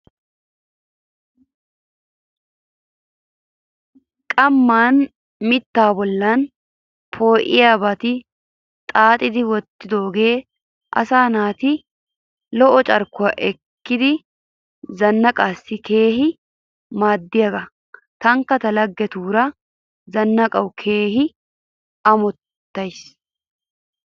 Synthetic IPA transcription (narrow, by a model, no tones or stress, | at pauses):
kʼɐmːaːn | mɪt̪ːaːbɔlːaːn | pʰo̞ːʔɪjabɐt̪ɪ | t̪ʼaːt̪ʼɪd̪ɪwɔt̪ːɪd̪oːɡeː | ʔɐ̰saːnaːt̪ɪ | lɔʔɔt͡ʃʼɐɾkːʊɐʔɛkːɪd̪ɪ | zɐnːɐkʼaːsːɪke̞ːɦɪ | maːd̪ːɪjɐɡɐ | t̪ɐŋkːɐt̪ɐlɐɡːɛt̪uːɾɐ | zɐnːɐkʼɐwʊkʰe̞ːhɪ | ɐmɔt̪ː | ɐjs